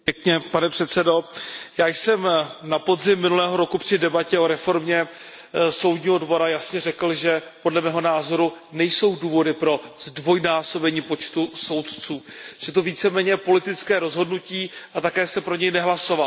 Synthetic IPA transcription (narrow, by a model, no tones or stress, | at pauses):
pɛkɲɛpanɛpr̥ɛt̪sɛdo̞jaːjsɛmnapo̞zɪmːɪnulɛːɦo̞ɾo̞kupr̥ɪdɛbacɛo̞ɾɛfo̞ɾmɲɛ | so̞wdɲiːɦo̞dvo̞ɾajasɲɛrɛkl̩ʒɛpodlɛmɛːɦo̞naːzo̞ɾu | nɛjso̞wduːvo̞dɪpɾo̞zdvo̞jnaːso̞bɛɲiːpo̞t͡ʃt̪uso̞wt̪t͡suːʒ̥ɛt̪oviːt͡sɛmɛːɲɛpo̞lɪt̪ɪt͡skɛːɾozɦo̞dnuciːʔat̪akɛːsɛpɾo̞ɲɛjnɛɦlaso̞val